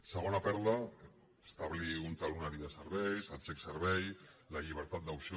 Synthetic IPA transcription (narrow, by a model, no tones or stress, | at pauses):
səɣ̞onapɛɾða | est̪aβliunt̪alunaɾiðəsəɾβɛjsalsɛksəɾβɛj | laʎiβ̞əɾt̪at̪d̪awsi